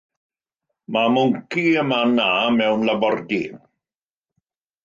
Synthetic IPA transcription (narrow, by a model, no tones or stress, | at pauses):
mamʊŋkiəmanaːmɛwnlabɔrdi